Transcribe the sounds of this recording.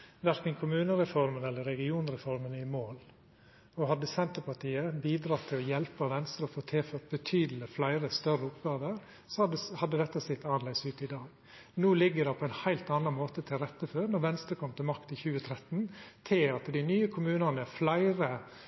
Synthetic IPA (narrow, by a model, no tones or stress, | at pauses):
ʋæɾkənkʰʊmʉːnəɾɛfɔɾmənɛlːəɾɛɡɪuːnɾɛfɔɾmənɪmoːl | ɔɦɑd̪ːəsɛnt̪əpɑʈiːəbiːd̪ɾɑt̪ʰːɪlɔjɛlpɑʋɛnst̪ɾəɔfoːt̪ʰɪlføːt̪̚bət̪ʰyːd̪l̩ɪflæɪɾəst̪œrəʊpɡɑːʋəɾ | sɔd̪əhɑd̪ːəd̪ɛt̪ːəsɪt̪ːɑːnlɛɪsʉːt̪ɪd̪ɑːɡ | nuːlɪɡːəɖɛpʰɔɛnhæɪlt̪ɑːnɑnmoːt̪ət̪ʰɪlɾɛt̪ːəføːɾnɔɾʋɛnst̪ɾəkʰɔmt̪ʰɪlmɑkt̪ɪçʉːət̪ʰɾɛt̪n̩t̪ʰɪlɑt̪d̪ɪnyːəkʰʊmʉːnɑnəflæɪɾə